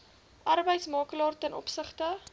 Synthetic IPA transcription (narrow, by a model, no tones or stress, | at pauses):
ʔɐrbəjtsmɑːklɑːrtɛnɔ̰psəχtə